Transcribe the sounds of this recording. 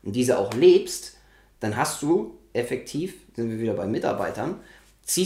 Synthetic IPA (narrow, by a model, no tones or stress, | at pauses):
ʔʊnt̚d̥iːzəʔa̰ʊxleːpst | d̥anɦastd̥uːʔɛfɛk̚tʰiːfz̥ɪntviːɐviːdɐbaɪmɪta̰ɐba̰ɪtɐn | t͡siː